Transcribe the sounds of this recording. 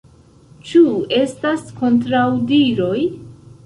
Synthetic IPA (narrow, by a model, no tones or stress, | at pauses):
t͡ʃue̞stasko̞ntɾawdiɾo̞j